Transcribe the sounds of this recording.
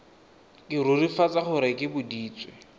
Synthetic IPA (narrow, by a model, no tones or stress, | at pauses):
kʼɪɾʊrifat͡sʼaχʊɾɪkʼɪbʊdiːt͡sʼwɛ